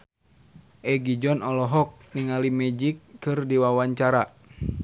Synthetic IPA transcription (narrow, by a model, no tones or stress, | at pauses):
ʔɛɡid͡ʒɔnɔlɔɦɔk̚niŋalimɛd͡ʒikːɨrdiwawaɲt͡ʃaɾa